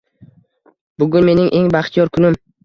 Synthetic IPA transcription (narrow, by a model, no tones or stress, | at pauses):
bʊɡʊnme̞nɪŋʔeŋbaχt̪ʰijɒɾkʰʊnɪm